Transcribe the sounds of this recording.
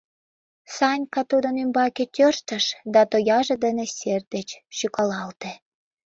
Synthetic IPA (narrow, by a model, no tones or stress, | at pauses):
sɑnʲkɑt̪ud̪ənymbɑketʲørʃt̪əʃd̪ɑt̪ojɑʒed̪ənesʲer̚d̪et͡ɕʃykɑlɑlt̪e